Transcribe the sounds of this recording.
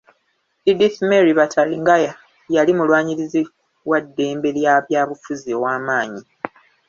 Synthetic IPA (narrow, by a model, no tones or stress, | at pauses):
idiθmeɾiβataliŋɡaja | jalimulwaːɲiɾizi | wadːe̞ːmbe̞ljaβjaːβufuzio̞waːmaːɲi